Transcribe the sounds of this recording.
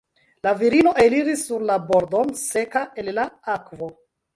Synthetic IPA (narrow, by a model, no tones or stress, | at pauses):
laviɾino̞ʔe̞liɾisːuɾlaboɾdo̞nse̞kaʔellaakvo̞